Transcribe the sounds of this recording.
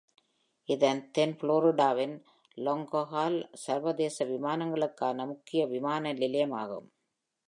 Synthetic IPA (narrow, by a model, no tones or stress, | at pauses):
ɪðɐnt̪ɛnfɪɭoːɾɪɖaːʋɪn | lɔŋɡoɦaːlsɐɾʋɐðeːsɐʋɪmaːnɐŋɡɐɭɯkːaːnɐmʊkːɪjɐʋɪmaːnɐlɪlɐjɐmaːɣɯ̰m